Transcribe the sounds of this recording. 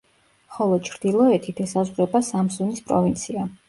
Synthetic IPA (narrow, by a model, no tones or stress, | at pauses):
χɔlˠɔt͡ʃʰɾd̪̥ilˠɔɛt̪ʰit̪ʰɛsazʁɾɛbasamsunispʼɾɔvint̪sʰia